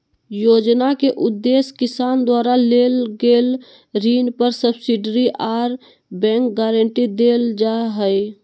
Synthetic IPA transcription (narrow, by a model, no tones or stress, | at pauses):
jod͡ʒnakeʔud̪ːeskisand̪waɾalelɡel | ɾinpəɾsəbsiɖəɾiʔaɾ | bɛ̃ŋk̚ɡɛɾəɳʈid̪eld͡ʒaɦəj